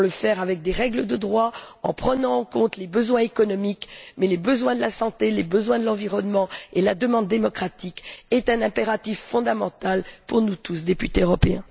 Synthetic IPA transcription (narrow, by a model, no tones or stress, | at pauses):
ləfɛʁavɛk̚d̪eʁɛɡləd̪əd̪ʁwaɑ̰̃pχənɑ̃ːkɔ̃t̪lebəzwɛ̃ekɔnɔmikmɛlebəzwɛ̃d̪əlasɑ̃t̪elebəzwɛ̃d̪əlɑ̃viʁɔnmɑ̃ela̰d̪əmɑ̃d̪ːemɔkχat̪ikɛt̪ɛ̃nɛ̃peʁat̪ifːɔ̃d̪amɑ̰̃t̪alpuʁnut̪us̬d̪epyt̪eøʁɔpeɛ̃